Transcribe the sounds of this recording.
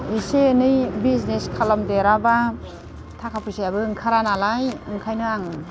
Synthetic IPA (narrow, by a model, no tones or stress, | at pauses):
esenɯjbizneskʰalamdeɾaba | tʰakʰapʰusiabɯɯŋkʰaɾanalajɯŋkʰajnɯaŋ